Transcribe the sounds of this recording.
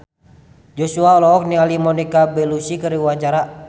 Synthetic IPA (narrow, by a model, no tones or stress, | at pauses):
d͡ʒɔsuaɔlɔɔk̚nialimɔnikabɛlusikəɾiuaɲt͡ʃaɾa